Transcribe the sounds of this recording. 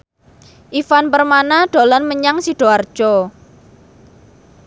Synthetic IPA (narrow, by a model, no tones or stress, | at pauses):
ʔifanpərmanaɖ̥o̤lɔnməɲaŋsiɖ̥o̤ard̥ʒ̥ɔ